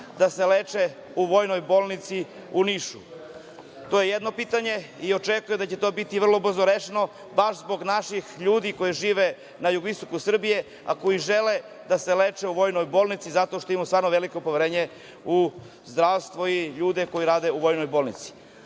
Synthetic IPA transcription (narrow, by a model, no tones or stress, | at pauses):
d̪aseleːt͡ʃe | uʋo̞ːjno̞jbo̞ːlˠnit̪si | uniʃu | t̪ojejed̪no̞piːt̪aɲe̞io̞t͡ʃekujed̪at͡ɕe̞t̪o̞ːbit̪iʋr̩lˠo̞br̩zoɾeʃeno̞ | baʃzbo̞ɡnaʃixʎuːd̪iko̞jiʒiːʋe | najuɡoʋist̪o̞kusr̩bije̞ | a̰ko̞jiʒe̞le | d̪aseleːt͡ʃeuʋo̞ːjno̞jbolˠnit̪sizat̪o̞ʃt̪oimust̪ʋaːɾnoʋe̞liko̞poʋeɾeːɲe | u | zd̪ɾaʋst̪ʋoiʎuːd̪eko̞jiɾaːd̪e̞uʋo̞jno̞jbolnit̪si̥